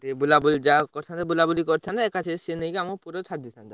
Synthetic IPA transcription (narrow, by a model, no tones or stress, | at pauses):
t̪ebulabulid͡ʒakɔɾt̪ʰant̪ebulabulikɔɾt̪ʰanaekat͡ʃʰesenejkamopuɾot͡ʃʰad̪it̪ʰant̪a